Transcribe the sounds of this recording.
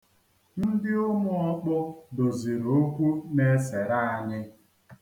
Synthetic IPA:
n̩˦dɪ˦ʊ˦mʊ˦ɔ˦k͡pʊ˦do˨zi˨ɾo˦kʷu˦ne˦se˨ɾa˦a˦ɲɪ˦

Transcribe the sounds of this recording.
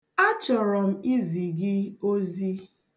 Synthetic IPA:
a˦t͡ʃɔ˨ɾɔ˨m̩˦i˦zi˨ɡɪ˦o˦zi˦

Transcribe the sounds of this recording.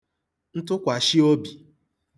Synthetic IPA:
n̩˦tʊ˦kʷa˨ʃi˦o˦bi˨

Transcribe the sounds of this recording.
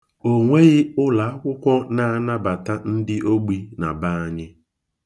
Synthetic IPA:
o˨ŋʷe˦ɣɪ˦ʊ˦la˨˦a˦kʷʊ˦kʷɔ˦na˦a˦na˦ba˨ta˦n̩˦dɪ˦ʔo˦ɡ͡bi˦na˨ba˦a˦ɲɪ˦

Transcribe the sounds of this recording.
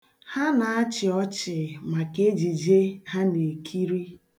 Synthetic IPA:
ha˦na˨a˦t͡ʃɪ˨ɔ˦t͡ʃɪ˨ma˨ke˦d͡ʒi˨d͡ʒe˦ha˦ne˨kʰi˦ɾi˦

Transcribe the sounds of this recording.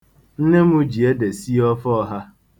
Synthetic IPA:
n̩˦ne˦mu˦d͡ʒi˨e˦de˨si˦ɔ˦fɔ˦ɦa˦

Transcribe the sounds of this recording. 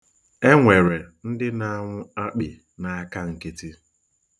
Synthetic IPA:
e˦ŋʷe˨ɾe˨n̩˦dɪ˦na˦a˦˨ŋʷʊ˦a˦k͡pɪ˨ | na˨a˦ka˦ŋ̩˨ke˦ti˦

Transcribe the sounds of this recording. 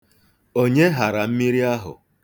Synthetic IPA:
o˦ɲe˦ɦa˨ɾa˨m̩˦mi˦ɾi˦a˦ɦʊ̰˨

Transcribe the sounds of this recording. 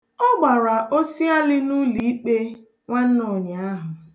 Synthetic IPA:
ɔ˦ɡ͡ba˨ɾa˨ʔo˦si˦a˦lɪ˦nu˦li˨˦i˦k͡pe˦ | ŋʷa˦n̩˦nʊ˨ɲ˨a˦ɦʊ˨

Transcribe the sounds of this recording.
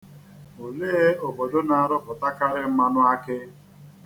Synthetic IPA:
o˨le˦o˨bo˨do˦na˨a˨ɾʊ˦pʊ˨ta˦ka˦ɾɪ˦m̩˦ma˦nʊ˦a˦kɪ˦

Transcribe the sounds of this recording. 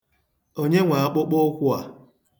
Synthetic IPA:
o˦ɲe˦ŋʷa˨a˦k͡pʊ˦k͡pʊ˦kʷʊ˦a˨

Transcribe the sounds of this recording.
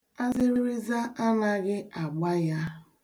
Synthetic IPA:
a˦zɪ˦ɾi˦ɾi˦za˦ʔa˦na˦ɣɪ˦a˨ɡ͡ba˦ja˦

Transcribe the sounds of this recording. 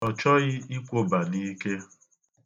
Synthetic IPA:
ɔ˨t͡ʃɔ˦ɣɪ˦i˦kʷo˦ba˨ni˦ke˦

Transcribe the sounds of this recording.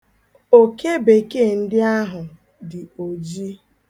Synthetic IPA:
o˦ke˦be˨ke˦˨n̩˦dɪ˦a˦ɦʊ˨ | dɪ˨o˨d͡ʒi˦

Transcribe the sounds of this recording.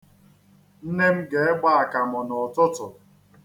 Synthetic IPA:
n̩˦ne˦m̩˦ɡe˨e˦ɡ͡ba˦a˨ka˨mɔ˨nɔ˨tɔ˦tʊ˨

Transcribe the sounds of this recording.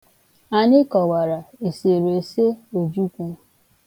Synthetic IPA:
a˨ɲɪ˦kɔ˨wa˨ɾa˨e˨se˨ɾe˨se˦o˨d͡ʒu˦kʷu˦

